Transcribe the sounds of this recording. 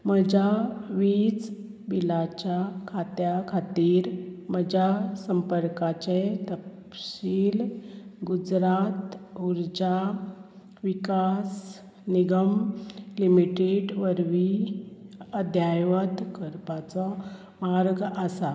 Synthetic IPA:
məd͡ʑaʋiːt͡s | bilat͡ɕjakʰat̪jakʰat̪iːɾməd͡ʑasəmpəɾkat͡ɕet̪əppɕiːlɡud͡ʑɾat̪uɾd͡ʑa | ʋikas | niɡəmlimiʈeɖʋəɾʋi | əd̪ʱjajʋət̪kəɾpat͡sɔ | maɾɡəsa

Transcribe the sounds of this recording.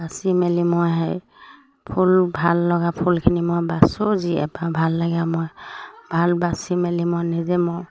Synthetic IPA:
basimɛlimɔjɦɔj | pʰulbʱalːɔɡapʰulkʰinimɔjbasoziɛ̰babʱalːaɡamɔjbʱalbasimɛlimɔjnizɛmɔj

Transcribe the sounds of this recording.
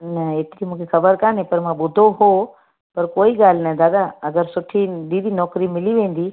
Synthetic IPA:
nɐeːt̪ɪɾimũːkʰexɐbəɾkãːnẽpɐɾmãːɓʊd̪ʱoɦo | pɐɾkoːiɠaːl̤nɐd̪aːd̪aɐɡəɾsʊʈʰid̪iːd̪ʱinɔːkɾimɪliʋẽːn̆d̪iː

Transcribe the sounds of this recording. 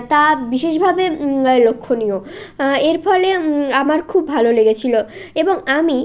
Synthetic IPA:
t̪abiʃeʃbʱabelokʰːonioeɾfɔleamaɾkʰubːʱaloleɡet͡ɕʰiloeboŋami

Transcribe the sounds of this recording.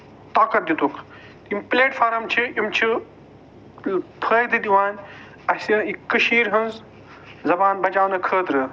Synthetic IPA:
t̪aːkɐt̪̚d̪it̪ukʰ | t̪impleːʈfʰaːɾɐmt͡ʃʰiimt͡ʃʰi | pʰəːjd̪id̪iʋaːnʲ | ɐsiikːɨʃiːɾɦɐnz | zɐbaːnbɐd͡ʒaːwnɐkʰəːt̪ɾɨ

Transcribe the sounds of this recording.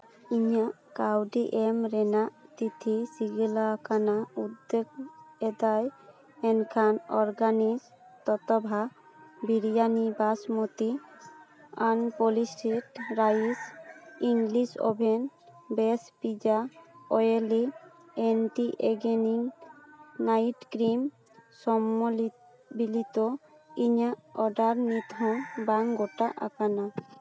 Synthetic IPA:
iɲaʔkawɖiʔemɾɛnaʔt̪it̪ʰisiɡilakʰanaud̪ːeɡɛd̪aj | ɛnkʰanɔɾɡanis | t̪ɔt̪ɔbʱa | biɾjanibasmot̪i | anpolisʈiʈɾaisiŋɡlisɔ̰bʱenbespid͡ʒaɔjeli | enʈiʔeɡeniŋ | najʈkɾim | sɔmːol | bilit̪o | iɲaɔɖaɾnit̪ɔ̃baŋɡoʈaʔa̰kana

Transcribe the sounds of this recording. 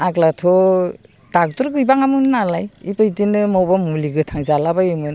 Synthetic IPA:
aɡlatʰɔ | tak̚tuɾɡɯjbaŋamɯnɯnalajipajdinɯmɔwbamuliɡɯtʰaŋzalabajimɯn

